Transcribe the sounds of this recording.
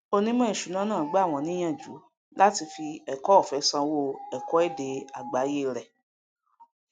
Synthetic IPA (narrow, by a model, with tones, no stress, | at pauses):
o˧nĩ˦mɔ̃˦i˦˨ʃu˨˦nã˨˦nãː˦˨˦ɡ͡ba˦˨w̃ɔ̃˧nĩ˦j̃ã˦˨d͡ʒṵ˨˦ | la˦ti˧fi˧ɛ˨kɔ˦˨fɛ˨˦sã˧wo˦˨ɛ˨kɔ˨˦ɛ˦˨de˧a˨ɡ͡ba˨˦je˦˨ɾɛ˨